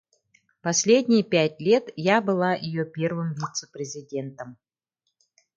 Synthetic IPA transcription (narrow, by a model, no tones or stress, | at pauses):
pɐsʲlʲedʲnʲɪjəpʲætʲlʲe̞t̪jabɨlˠajʔɪ̰jopʲe̞rvɨmvʲit̪sə̥pɾʲɪzʲɪdʲe̞nt̪əm